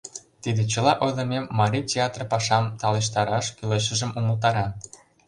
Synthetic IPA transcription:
t̪id̪et͡ɕə̆lɑʔod̪ɤ̆memːɑɾʲitʲeɑt̪rpɑʃɑmt̪ɑleʃ̬t̪ɑɾɑʃkyleʃ̬ə̆ʒə̆mʔumə̆lt̪̬ɑɾɑn

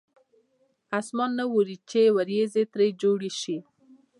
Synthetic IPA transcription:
asmɑnːəwoɾit͡ʃewaɾjezet̪ɾejd͡ʒoɽiʃi

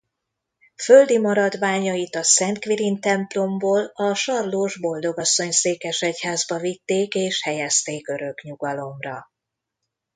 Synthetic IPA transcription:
føld̪imɒɾɒd̪ʋaːɲɒjit̪ɒsɛnt̪kʋiɾint̪ɛmplo̞mboːlɒʃɒrloːʒbo̞ld̪o̞ɡɒsːo̞ɲseːkɛʃɛchaːzbɒvit̪ːeːkeːʃhɛjɛst̪eːkø̞ɾø̞kɲuɡɒlo̞mrɒ

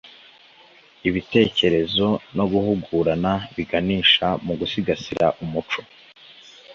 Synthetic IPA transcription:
iβite̞ːce̞ɾe̞zo̞no̞ɡuhuɡuːɾanaβiɡaniːʃamuɡusiɡasiɾʔa̰ʔumut͡ʃo̞

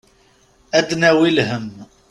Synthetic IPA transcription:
æd̪næwilhəm

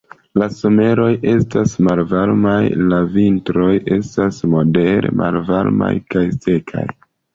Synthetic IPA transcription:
laso̞me̞ɾo̞je̞stasmalvaɾmajlavintɾo̞je̞stasmo̞de̞ɾḛmʔa̰lvaɾma̰jkajse̞kʰa̰j

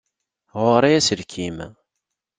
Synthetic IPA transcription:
ʁʊɾˤijæsəɾkʰim

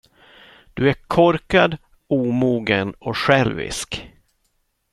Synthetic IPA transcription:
d̪̥ɵækʰɔɾkad̪ | uːmuːɡənɔɧɛlvɪ̰sk

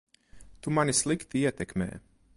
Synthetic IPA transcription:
t̪umanislˠikt̪iiɛt̪ɛkmḛː

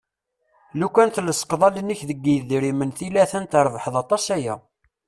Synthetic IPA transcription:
lukʷːænθləsə̥qðˤɑlənəçðəɡːijðɾimənθilæθənt̪əɾˤvəħðˤɑt̪ˤɑsæjæ̰

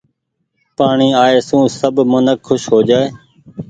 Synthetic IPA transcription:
paːɳiːaːeːsũːsəbmʊnəkʰːʊʃɦoːd͡ʒaːeː

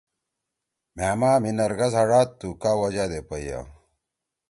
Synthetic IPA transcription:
mæːmaːminɐɾɡɐzɐɽaːt̪ːukaːwɐd͡ʑad̪epɐja̰

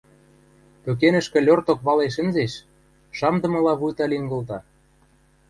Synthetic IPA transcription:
pøk̬enə̆ʃkɘ̆lʲort̪okβɑleʃ̬ə̆nzeʃ | ʃɑmd̪ɤ̆mɤ̆lɑβujt̪ɑliŋɡɤ̆lt̪ɑ

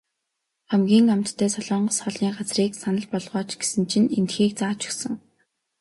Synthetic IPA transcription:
χæmɡʲiːŋam̥t̪ʰːæːsɔɮɔːɴɢɞ̆sχɔɮiːɢat͡sriːksanə̆ɮpɔɮʁɔːt͡ɕɡ̥e̥sɘ̆nt͡ɕʰĭnent̪xiːk̚t͡saːt͡ɕʰɵ̥xsə̆ŋ

